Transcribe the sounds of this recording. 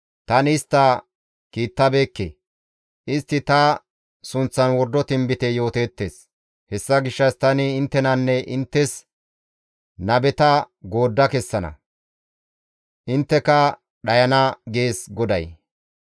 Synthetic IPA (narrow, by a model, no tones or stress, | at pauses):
t̪ɐnɪst̪ːɐ | kiːt̪ːɐbe̞ːkːḛ | ʔɪst̪ːɪt̪ɐ | sʊnt͡sːɐnwɔɾd̪ːɔt̪ɪmbɪt̪ɛjo̞ːt̪eːt̪ːe̞ːs | hɛsːɐɡɪʃːɐst̪ɐnɪːnt̪ːɛnɐnːɛʔɪnt̪ːɛs | nɐbɛt̪ɐ | ɡo̞ːd̪ːɐkɛsːɐnɐ̰ | ʔɪnt̪ːɛkɐ | ɗɐjɐnɐɡe̞ːsɡɔd̪ɐj